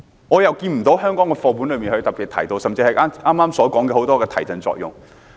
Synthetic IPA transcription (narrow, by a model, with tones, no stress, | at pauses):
ŋɔː˨˧jɐ˨˩wkiː˧nm̩˨˩t̪o˨˥wɦœː˥ŋkɔː˨˥ŋkɛː˧fɔː˧p̬uː˨˥nlɵ˨˧jmiː˨nhɵ˧ɥt̪ɐ˨k̚pi˨t̚t̪ʰɐ˨˩jt̪o˧wsɐ˨mt͡siː˧hɐ˨jʔʔaː˥mːaː˥msɔː˨˥kɔː˨˥ŋkɛ˧ho˨˧˥wt̪ɔː˥kɛː˧t̪ʰɐ˨˩jt͡sɐ˧nt͡sɔ̰ː˧k̚jʊ˨ŋ